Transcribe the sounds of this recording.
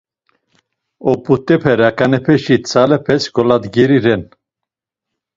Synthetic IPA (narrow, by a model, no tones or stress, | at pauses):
ɔpʼut̪ʼɛpʰɛɾakʼanɛpʰɛʃit͡sʰalɛpʰɛsɡɔlad̪ɡɛɾiɾɛn